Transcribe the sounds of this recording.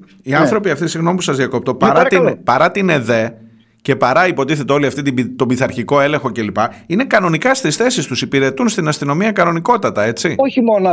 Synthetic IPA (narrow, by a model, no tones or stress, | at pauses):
iɐnθɾo̞piɐft̪isiɣno̞mipusɐzðjɐko̞p̚t̪opɐɾɐt̪inpɐɾɐt̪ine̞ðe̞ | ce̞pɐɾɐipo̞t̪iθe̞t̪e̞o̞liɐft̪it̪ibit̪o̞biθɐɾçiko̞e̞le̞ŋxo̞ce̞lipɐine̞kɐno̞nikɐst̪isθe̞sist̪usipiɾe̞t̪unst̪inɐst̪ino̞miɐkɐno̞niko̞t̪ɐt̪ɐe̞t͡sioçimono